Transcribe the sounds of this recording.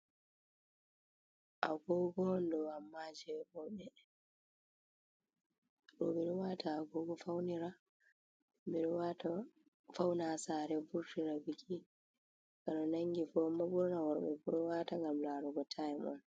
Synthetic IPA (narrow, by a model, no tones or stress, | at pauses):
ʔaɡɔɡɔndɔwamːad͡ʒɛbɔɓɛ | ɗɔ̰ɓɛɗɔwatʰaːɡɔɡɔfawniɾa | ɓɛɗɔwata | fawnasaːɾɛvuɾtiɾabiki | kaɗɔnaŋɡifɔmaɓuɾɔnawɔɾɔɓɛ̰buɾɔwataŋɡamlaːɾɔɡɔtʰajmɔ̰n